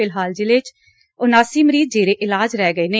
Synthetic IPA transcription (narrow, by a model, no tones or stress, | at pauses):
ɪlɦaːld͡ʒɪlet͡ʃ | ʊnaːsiːməɾiːd̪̚d͡ʒeːɾeːʔɪlaːd͡ʒɾɛːɡəeːneː